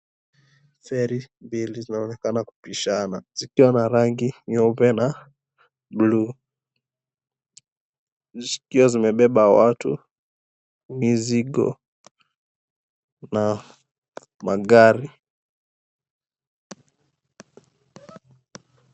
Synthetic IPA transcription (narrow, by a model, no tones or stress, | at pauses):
fɛɾimbilizinaɔnɛkanaku̥piʃanaz̥ikiwanaɾaŋɡiɲɔvbɛna | blu | zikiɔzimɛɓɛɓawatṵ | miziɠɔ̰ | na | maɠaɾi